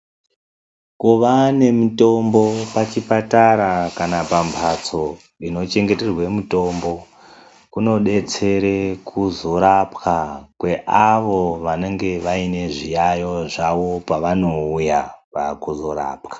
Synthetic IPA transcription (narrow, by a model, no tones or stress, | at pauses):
kuʋane̞muto̞mbo̞pat͡ʃipataɾakanapampʰat͡so̞ | ino̞t͡ʃe̞ŋɡete̞rwe̞muto̞mbo̞ | kuno̞ɗe̞t͡se̞ɾekʰuzo̞ɾapkakwe̞ʔaʋo̞ʋane̞ŋɡe̞ʋaine̞ʐijajo̞ʐaʋo̞paʋano̞ujapa̰kuzo̞ɾa̰ːpkḁ